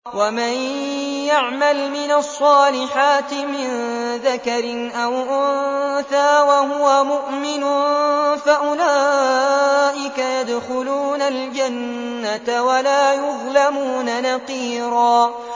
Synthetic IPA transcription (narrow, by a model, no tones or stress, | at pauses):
wamanjaʕmalmɪnasˤːɑːlɪħaːt̪ɪmɪnðakaɾɪnʔawʔʊnnθaːwaɦʊwamʊʔmɪnʊnfaʔʊlaː | ʔɪkajad̪xʊluːnald͡ʒanː | at̪awalaːjʊðˤlamuːnanɑqiːɾɑː